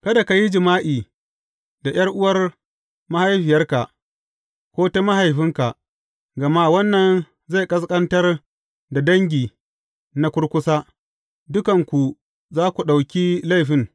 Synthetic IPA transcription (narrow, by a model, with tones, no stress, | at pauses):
kɐ˦da˨ka˨ji˦d͡ʒɪ˨maː˦ʔiː˨ | da˨j̰ɐ˦rʔʊ˦wɐ˦r | ma˦ha˦jɸi˨jɐ˦rka˨ʔ | kʷoː˦ta˦ma˦ɦa˨jɸɪ˦ŋka˨ʔ | ɡɐ˨ma˦wɐ˦nːɐ˨n | za˦˨jkʼɐ˦s̬kʼɐ˦ntɐ˦r | da˨dɐ˦ŋɡʲiː˨ | na˦kʷʊ˦ɽkʷʊ˦saː˦ | dʊ˦kɐ˨ŋkʷu˨ | zaː˦kʷu˨ɗa˨wkʲiː˦la˦˨jɸɪ˦ŋ